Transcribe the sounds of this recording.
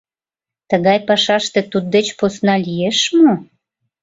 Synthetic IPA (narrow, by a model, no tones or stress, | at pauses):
t̪əɣɑjpɑʃɑʃt̪ĕt̪ud̪̚d̪et͡ɕposnɑlijeʃmo